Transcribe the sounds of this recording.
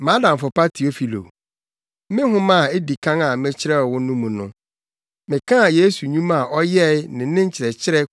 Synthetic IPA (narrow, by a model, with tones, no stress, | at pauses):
mã˦dã˨m˨fʊ˨pa˦tʰi˨o˦fi˨lo̰˨˦ | mɪ̃˦ɦʊ̃˦mã˦˨e˦di˨kʰã˦ŋa˨mɪ̃˦t͡ɕʰɪ˦ɾɛ˦ɔ˨wʊ̃˦nʊ̃˦mũ˨nʊ̰̃˦ | mɪ̃˨kʰã˦a˨je˦su˨ɲũ˦ma˨ʔɔ˦jɛ˦nɪ̃˨˦nɪ̃˦ɲ̩˦t͡ɕʰɪ˨ɾɛ˨t͡ɕʰɪ˦ɾɛ˦